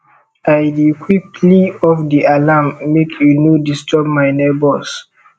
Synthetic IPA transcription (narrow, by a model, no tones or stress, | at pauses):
ajdikʰwikliɔfdiʔalamːekʰjunodistʰɔbmajnɛbɔs